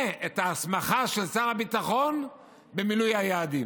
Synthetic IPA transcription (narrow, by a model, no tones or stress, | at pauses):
et̪aːsmaχaʃe̞lsaʁabit̪aχo̞n | be̞milujhajaːd̪i